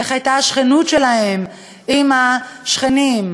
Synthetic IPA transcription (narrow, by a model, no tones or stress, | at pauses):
eχajtaaʃχenutʃelahe̞m | imaʃχenim